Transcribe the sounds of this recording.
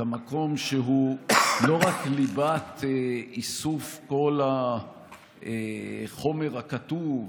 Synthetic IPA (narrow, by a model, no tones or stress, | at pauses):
amako̞mʃeɦulo̞ʁaklibat̪eisufko̞la | eχo̞me̞ʁhakatuv